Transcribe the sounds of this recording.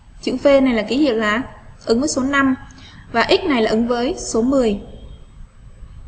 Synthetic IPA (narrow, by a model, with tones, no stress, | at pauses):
t͡ɕɨ̰˧˥fe˧na˨˩jlaː˨˩ki˨˦hḭ˧˨əwlaː˨˦ʔɨ˨˦ŋvəː˨˦jso˨˦na˧m | vaː˨˩ʔi˦˥k̚na˨˩jlaː˨˩ʔɨ˨˦ŋvəː˨˦jso˨˦mɨ˨˩əj